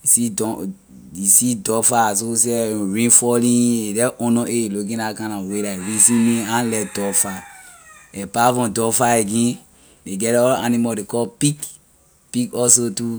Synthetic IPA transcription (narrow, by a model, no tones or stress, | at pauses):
isidɔ | isidɔfasoseɹĩfɔlĩedɛʔɔ̃nɔ̃ʔeluk̬ĩakãnãwelaɹisĩmĩãnlɛdɔfa | ɛpavɔ̃dɔfaeɡĩ | deɡɛtɔla̰nimadekɔpik | pikɔsotu